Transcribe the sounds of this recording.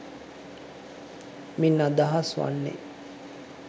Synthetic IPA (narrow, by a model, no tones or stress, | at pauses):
minːad̪aɦasʋa̰nːḛ